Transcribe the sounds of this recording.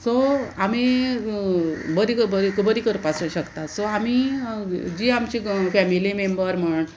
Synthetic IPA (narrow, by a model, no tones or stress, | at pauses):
soami | bəd̪ikəbəikubəd̪ikəɾpasəɕəkt̪asoami | d͡ʑiːamt͡ɕiːfæmilimembəɾm̤əɳ